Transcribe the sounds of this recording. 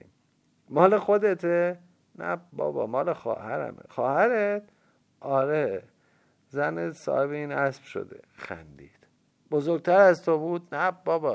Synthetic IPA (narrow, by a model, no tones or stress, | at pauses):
mɒːlexod̪et̪ʰe | næ̰bɒ̰ːbɒ̰ːmɒːlexɒ̰ːhæɾæ̰mḛxɒːhæɾet̪̚ | ʔɒːɾe | zænet̪sɒ̰ːheβeiːnæsb̥ʃo̰d̪ḛxæ̰nd̪ḭːd̪̥ | bozoɾɡ̚ʲt̪ʰæɾæzt̪ʰobuːd̪næbɒːbɒ